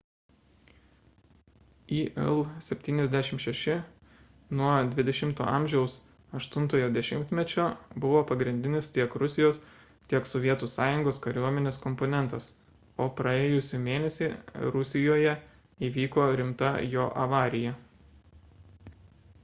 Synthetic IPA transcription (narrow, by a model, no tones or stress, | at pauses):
iːʔɛlˠsʲɛpʲt̪ʲiːnʲɛzʲd̪ʲæʃʲɪmʃʲɛʃʲɪ | nuɔd̪ʲʋʲɪd̪ʲɛʃʲɪmt̪o̰ːʔɑmʲʒʲɛʊs | ɐʃt̪ʊnt̪oːjoːd̪ʲɛʃʲɪmʲt̪ʲmʲɛt͡ʃʲoːbʊʋoːpɐɡɾʲɪnʲd̪ʲɪnʲɪst̪ʲiɛkɾʊsʲɪjoːs | t̪ʲiɛksɔʋʲiɛt̪uːsɑːjʊŋɡoːskɐɾʲuɔmʲɛnʲeːskɔmponʲɛnt̪ɐs | oːpɾɐeːjʊsʲuːˑmʲeːnʲɛsʲiɾʊsʲɪjoːjɛ | iːʋʲiːkoːɾʲɪmt̪ɐjoːʔɐʋɑːɾʲɪjɛ